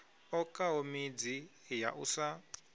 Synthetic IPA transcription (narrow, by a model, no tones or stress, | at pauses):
ɔkʼaɦomid͡zi | ja̰ʔṵsa